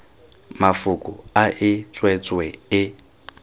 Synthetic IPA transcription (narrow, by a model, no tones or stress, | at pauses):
mafukʼʊaʔɪt͡sʼwɛt͡sʼwɛɪ